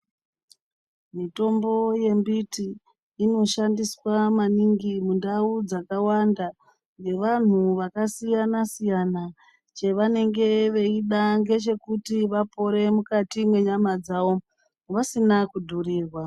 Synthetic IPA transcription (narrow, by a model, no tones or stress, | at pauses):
mito̞mbo̞je̞mbitiː | no̞ʃandiswamaniŋɡimundaud͡zakawanda | ŋɡe̞ʋan̤uʋakasijanasijana | t͡ʃe̞ʋane̞ŋɡe̞ʋe̞iɗaŋɡe̞t͡ʃe̞kutiʋapo̞ɾe̞mukatimwe̞ɲamad͡zaʋo̞ | ʋasinakudʱuriːrwa